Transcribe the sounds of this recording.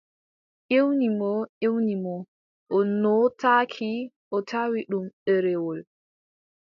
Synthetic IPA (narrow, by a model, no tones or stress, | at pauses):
ʔewnimɔʔewnimɔ | ʔɔnɔtakʰi | ʔɔtʰawiɗumɗɛɾɛwɔl